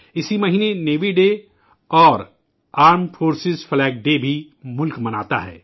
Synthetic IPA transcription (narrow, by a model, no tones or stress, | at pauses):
ɪsimɐɦiːneneːʋiɖe | ɔːɾ | aːɾmfoːɾsɪzflɛːk̚ɖebʱi | mʊlkmɐna̰ːt̪a̰ɦɛ̰ː